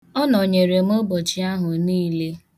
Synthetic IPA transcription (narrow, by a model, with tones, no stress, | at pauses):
ɔ˦nɔ˨ɲe˨ɾe˨m̩˦o˦bɔ˨t͡ʃi˦a˦ɦʊ˨niː˦le˦